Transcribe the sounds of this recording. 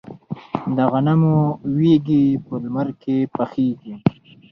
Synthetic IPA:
d̪əɣanamuweɡipəlmaɾkepaxiːɡi

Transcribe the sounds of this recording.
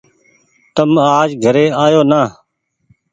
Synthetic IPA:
t̪əmaːd͡ʒɡʱəɾeːaːjoːnaː

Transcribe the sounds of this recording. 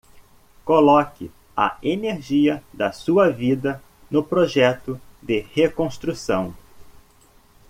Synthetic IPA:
kolɔkɪ | ɐ̰eneɾʒiɐd̪ɐsuɐvid̪ɐ | nʊpɾoʒɛt̪ʊd̪ɪhekõst̪ɾusɐ̰̃w̃

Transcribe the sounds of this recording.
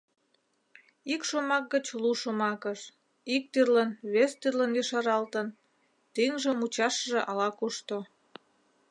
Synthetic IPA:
ikʃomɑk̚ɡət͡ɕluʃomɑkəʃ | ik̚t̪yrlənβest̪yrlənjiʃɑɾɑlt̪ən | t̪iŋʒəmut͡ɕɑʃəʒeʔɑlɑkuʃt̪o

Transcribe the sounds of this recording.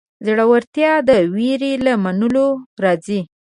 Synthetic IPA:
zaɽawaɾt̪jɑd̪əwiɾelamanəloɾɑzi

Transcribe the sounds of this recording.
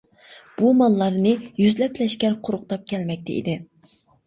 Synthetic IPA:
b̥umɑlˠːɑɾnɨjyzlɛplɛʃkʲɛɾqʰʊɾʊq̚t̪ʰɑp̚kʲʰɛlmɛk̚ʲt̪ʰɛ̰ʔḭd̪ɪ

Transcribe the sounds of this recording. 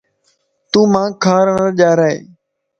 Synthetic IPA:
t̪ũːmãːkʰaːɾəɳəɾʄaːɾaːḛː

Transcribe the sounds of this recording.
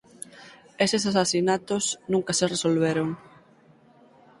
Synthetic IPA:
esesasasinat̪osnũŋkɐseresolβeɾoŋ

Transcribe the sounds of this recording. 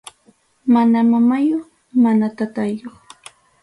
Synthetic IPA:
manamamajoχ | manat̪at̪ajoχ

